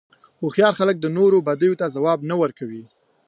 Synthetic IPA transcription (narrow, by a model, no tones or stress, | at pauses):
oxjɑɾxalək̚d̪ənoɾobad̪əjot̪azawɑbnawəɾkawi